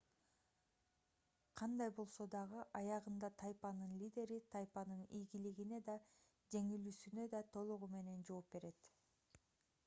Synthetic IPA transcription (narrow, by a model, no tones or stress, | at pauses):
qʰɑnd̪ɑjbo̞lˠso̞d̪ɑʁɯʔɑjɑʁɯnd̪ɑt̪ʰɑjpɑnɯnlʲid̪ʲe̞ɾit̪ʰɑjpɑnɯnijɡiliɡine̞d̪ɑ | d͡ʒe̞ŋilysynø̞d̪ɑt̪ʰo̞lˠuʁume̞ne̞nd͡ʒo̞ːp̚be̞ɾe̞t̪